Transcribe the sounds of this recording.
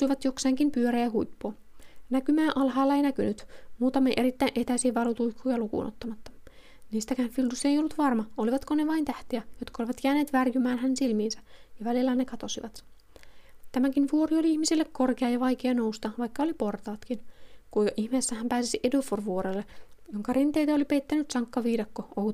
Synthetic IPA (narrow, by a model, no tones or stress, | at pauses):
uijʋɑt̪jokseːŋkimpyøɾæjɑɦujpːoɑ | nækymæːʔɑlɦɑjlːɑeijnækynyt̪muːt̪ɑmɑʔeɾit̪ːæinʔet̪æisiːʋɑlut̪uikʰːuːjɑlukṵːnʔo̰t̪ːɑmɑt̪ːɑ̥ | niːst̪ækæːnfild̪usejo̞lːut̪ʋɑrmɑoliʋɑt̪koneʋɑint̪æht̪eæjot̪kɑoliʋɑt̪jæːne̞ːt̪ʋærjymæːnɦænːensilmiːnsæjɑʋælilːænekɑt̪o̞siʋɑt̪ | t̪æmækinʋuoɾio̞liiçmisilːekkorkeɑjɑʋɑjk̟eɑno̞wst̪ɑʋɑjkːɑolipo̞rt̪ɑːt̪kinkuʔiçmeːsːæhæmpæːsisiʔeduforʋuoɾelːejoŋkɑɾint̪ejt̪æolipejt̪ːænyt̪sɑŋkːɑʋiːdɑkːoʔou